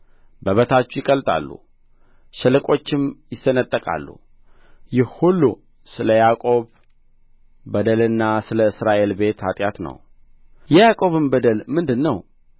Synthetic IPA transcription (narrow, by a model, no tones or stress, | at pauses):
bəβət̪ʰat͡ʃːujɪkʼəlt̪ʼa̰lːṵ | ʃɛlɨkʼo̞t͡ʃːɪmjɪsːənət̪ʼːəkʼa̰lːṵ | jɛhulːu | sɨləjakʼo̞β | əd̪əlɨnːasɨləɨsɾaʔe̞lbe̞t̪ʰat̪ʼjat̪nə̰w | jɛjakʼo̞βɨmbəd̪əlmɨnd̪ɨnːəw